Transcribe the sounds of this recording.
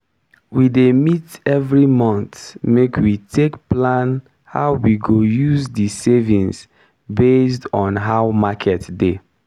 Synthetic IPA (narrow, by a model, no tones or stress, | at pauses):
widemitɛvɹimɔ̃nθmekwitʰekplãn | haʊwiɡojuzdisevĩns | bes̬tɔ̃nɦaʊmakʰɛtde